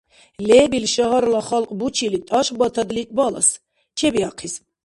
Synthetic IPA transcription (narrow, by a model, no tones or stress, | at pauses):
lɛːbilʃaɦaɾlaχalqʼbut͡ʃʰilit̪ʼaʃbat̪ʰad̪lit̪ʼbala̰s | t͡ʃʰɛbiaqʰis